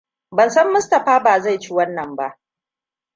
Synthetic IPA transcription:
bɐ˨nsɐ˦mːʊ˦stɐ˨ɸaː˦baː˨za˦˨jt͡ʃi˦wɐ˦nːɐ˨mba˦ʔ

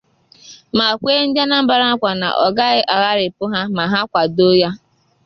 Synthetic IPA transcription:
ma˨kʷe˦n̩˦d͡ʒa˦na˦m̩˦ba˨ɾa˦kʷa˨na̰˨ʔɔ˨ɡa˦ɣɪ˦ʔa˨ɣa˦ɾɪ˨pʊ˦ɦa˦ma˨ɦa˦kʷa˨do˦ja˦

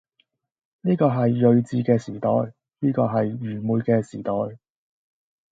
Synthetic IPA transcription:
niː˥kɔː˧ɦɐ˨jːɵ˨˧ɥt͡siː˧kɛː˧siː˨˩t̪ɔ̰ː˨j | niː˥kɔː˧ɦɐ˨jːyː˨˩muː˨jkɛː˧siː˨˩t̪ɔː˨j

